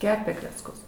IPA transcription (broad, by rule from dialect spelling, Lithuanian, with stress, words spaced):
ˈkʲæːpʲeː klʲɛt͡sˈkʊs